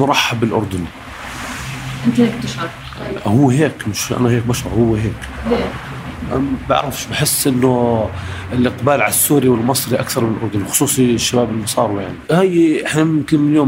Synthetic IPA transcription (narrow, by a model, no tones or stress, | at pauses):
mʊɾˤɑħːabɪlʔʊ̰ɾˤd̪ʊn | ʔɪnt̪heːk̚t̪ɪʃɑ | hʊːɦeːkmɪʃʔa̰naheːk̚baʃɾˤɑ̰ɾhʊwːɦeːk | ba̰ʕɾɪfʃbɪħɪsːʔɪnːʊ | ɪlʔɪqbaːlʕalasːuːɾiwɪlmɑsˤɾiʔakθɑɾˤmɪnɪlʔʊ̰ɾˤd̪ʊnwxʊ̥sˤuːsˤiʃːabaːbɪlmɑsˤɑːɾwijaʕnihajːʔɪħnamʊmkɪnmɪljoːm